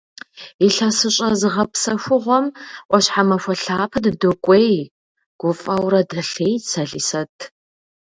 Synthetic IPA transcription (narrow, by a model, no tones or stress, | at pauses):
iɬɐsɨɕʼɐzɨʁɐpsɐʃʷʊʁʷɔmʔʷɔɕħamɐʃʷɔɬaːpʰɨddokʷʼej | ɡ̥ʷʊfʼɐwrɐdɐɬeːjt͡sʰɐɮisɐtʰ